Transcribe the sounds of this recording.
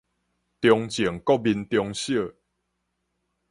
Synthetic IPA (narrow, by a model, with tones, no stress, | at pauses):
t̪jɔ˧ŋt͡ɕjiə˨˩ŋkɔ˥˦˨bi˧nt̪jɔ˧ŋɕjə˥˨